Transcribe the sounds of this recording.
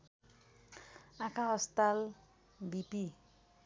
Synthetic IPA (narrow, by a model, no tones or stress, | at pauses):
ãkʰãɦʌst̪al | bipi